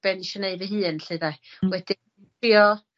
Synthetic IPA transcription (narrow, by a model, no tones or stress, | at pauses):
b̥ɛniʃɛneɨvəɦɨːnɬeðawɛdɪ | iɔ